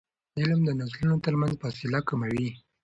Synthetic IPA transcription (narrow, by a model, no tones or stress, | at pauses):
ɪlmd̪ənazlunot̪əɾmanzfɑsɪlakamawi